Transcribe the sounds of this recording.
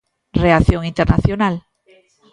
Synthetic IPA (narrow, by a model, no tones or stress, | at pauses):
reaθjoŋĩnt̪eɾnaθjonal